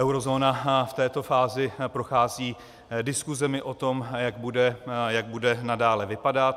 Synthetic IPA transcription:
ʔɛwɾo̞zoːnaft̪ɛːt̪o̞faːzɪpɾo̞xaːziː | dɪskuzɛmɪʔo̞t̪o̞mjaɡbudɛjaɡ̚budɛnadaːlɛvɪpadat̪

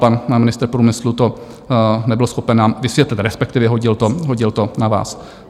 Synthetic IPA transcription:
panmɪnɪst̪ɾpɾuːmɪslut̪o | nɛbɪlosxo̞pɛnvaːmvɪsvjɛt̪lɪt̪ɾɛspɛk̚t̪ɪvjɛɦo̞ɟɪlt̪oɦoɟɪlt̪o̞nava̰ːs

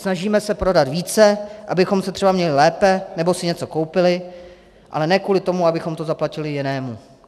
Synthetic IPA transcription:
snaʒiːmɛsɛpɾo̞dat̪viːt͡sɛʔabɪxo̞msɛt̪r̥ɛbamɲɛlɪlɛːpɛnɛbo̞sɪɲɛt͡soko̞wpɪlɪ | ʔa̰lɛnɛːkvuːlɪt̪o̞muabɪxo̞mt̪ozaplacɪlɪjɪnɛːmu

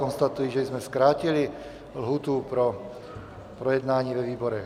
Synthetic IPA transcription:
ɔnst̪at̪ujiːʒɛizmɛskɾaːcili | lɦuːt̪upɾɔ | pɾɔjɛd̪naːɲiːʋɛʋiːbɔɾɛ

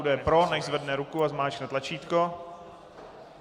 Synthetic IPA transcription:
dɛɛpɾonɛʒzvɛdnɛɾukuazmaːt͡ʃknɛt̪lat͡ʃiːt̪ko

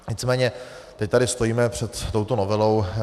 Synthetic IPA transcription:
ɲɪt͡smɛːɲɛ | t̪ɛc̚t̪aɾɪst̪ojiːmɛpr̝̥ɛt̪ːo̞wt̪onovɛlo̞w

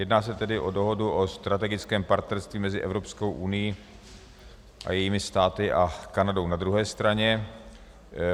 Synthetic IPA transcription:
jɛdnaːsɛt̪ɛdɪʔo̞do̞ɦo̞duʔost̪ɾat̪ɛɡɪt͡skɛːmpaɾt̪nɛɾst̪viːmɛzɪʔɛvɾopskowʔunɪji | ʔa̰jɛjiːmɪst̪aːt̪ɪʔakanado̞wnad̪ɾuɦɛːst̪ɾaɲɛ

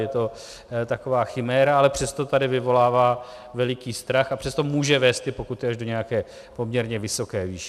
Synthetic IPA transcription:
jɛt̪o̞ | t̪ako̞vaːxɪmɛːɾaalɛpr̝̥ɛst̪ot̪adɪvɪvo̞laːvaː | vɛlɪkiːst̪ɾaxapr̥ɛst̪o̞muːʒɛvɛːst̪ɪpo̞kut̪ɪaʒdo̞ɲɛjakɛː | po̞mɲɛɾɲɛvɪso̞kɛːviːʃɛ

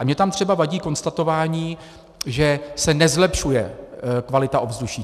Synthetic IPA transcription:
amɲɛt̪amt̪r̝̥ɛbavaɟiːko̞nst̪at̪o̞vaːɲiː | ʒɛsɛnɛzlɛpʃujɛkvalɪt̪aʔo̞vzduʃiː

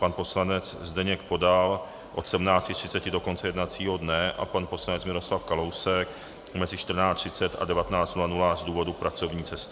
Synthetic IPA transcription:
panpo̞slanɛt͡szdɛɲɛk̚po̞dal | ʔo̞̰t̪sɛmnaːt͡scɪt̪r̝̥ɪt͡sɛcɪdo̞ko̞nt͡sɛjɛdnat͡siːɦo̞dnɛʔa̰panposlanɛt͡smɪɾo̞slafkalo̞wsɛk | mɛzɪʃt̪r̩naːt͡st̪r̥ɪt͡sɛt̪a̰dɛvat̪ɛnaːt͡st̪nulanulazduːvo̞dupɾat͡so̞vɲiːt͡sɛst̪ɪ̥

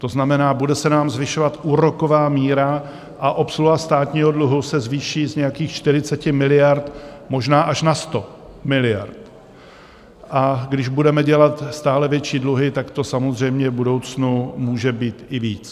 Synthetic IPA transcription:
t̪o̞znamɛnaːbudɛsɛnaːmzvɪʃo̞vat̪ʔuːɾo̞ko̞vaːmiːɾa | ʔaʔo̞psluɦast̪aːt̪ɲiːɦo̞dluɦusɛzviːʃiːzɲɛjakiːxt͡ʃt̪ɪɾ̝ɪt͡sɛcɪmɪlɪjaɾt̪mo̞ʒnaːʔaʃnast̪o̞ | mɪlɪja̰ɾt̪ | ʔaɡdɪʒbudɛmɛɟɛlat̪st̪aːlɛvjɛt͡ʃiːdluɦɪt̪akt̪o̞samo̞zr̝ɛjmɲɛvbudo̞wt͡snumuːʒɛbiːt̪ɪviːt͡s

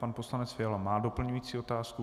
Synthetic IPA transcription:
panposlanɛt͡sfɪalamaːdo̞pl̩ɲujiːt͡siːot̪aːsku

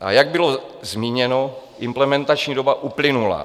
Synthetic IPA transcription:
ʔa̰jaɡ̚bɪlo̞zmiːɲɛno̞ | ʔɪmplɛmɛnt̪at͡ʃɲiːdo̞baʔuplɪnula̰

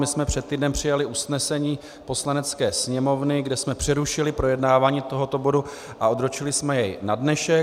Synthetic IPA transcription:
mɪsmɛpr̝̥ɛt̪ːiːdnɛmpr̝̥ɪjalɪʔusnɛsɛɲiː | po̞slanɛt͡skɛːsɲɛmo̞vnɪɡdɛsmɛpr̥ɛɾuʃɪlɪpɾo̞jɛdnaːvaːɲiːt̪o̞ɦo̞t̪o̞bo̞du | ʔao̞d̪ɾot͡ʃɪlɪsmɛjɛjnadnɛʃɛ

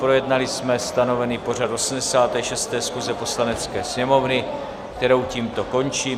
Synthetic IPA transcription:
pɾo̞jɛdnalɪsmɛst̪ano̞vɛniːpo̞r̝at̪ʔo̞sm̩dɛsaːt̪ɛːʃɛst̪ɛːsxuzɛpo̞slanɛt͡skɛːsɲɛmo̞vnɪ | kt̪ɛɾo̞wciːmt̪o̞ko̞nt͡ʃiː

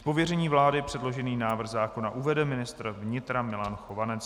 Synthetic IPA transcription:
po̞vjɛrɛɲiːvlaːdɪpr̥ɛdlo̞ʒɛniːnaːvr̩ɣzaːko̞naʔuvɛdɛmɪnɪst̪rvɲɪt̪ɾamɪlanxo̞vanɛt͡s

